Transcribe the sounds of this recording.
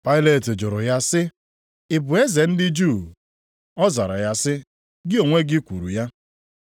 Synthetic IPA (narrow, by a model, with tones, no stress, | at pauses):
pa˦ɪ˦le˨tɪ˨d͡ʒʊ˨ɾʊ˨ja˦sɪ˦ | ɪ˨bʊ˨e˦ze˨n̩˦dɪ˦d͡ʒu˦˨ | ɔ˦za˨ɾa̰˨ja˦sɪ˦ | ɡɪ˦o˨ŋʷe˦ɡɪ˦kʷṵ˨ɾṵ˨ja˦